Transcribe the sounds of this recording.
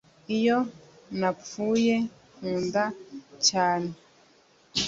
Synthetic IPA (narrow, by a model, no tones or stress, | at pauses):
ijo | nap͡fuːje | huːndat͡ʃaːne